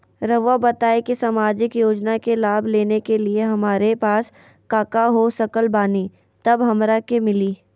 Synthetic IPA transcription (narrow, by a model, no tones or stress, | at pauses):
ɾəʋabɐt̪aːekisɐmaːd͡ʒɪkjoːd͡ʒnakelaːbʱleːnekelieɦɐmaːɾepaːs | kaːkaɦosɐkəlbaːni | t̪ɐbɦɐmɾakemɪliː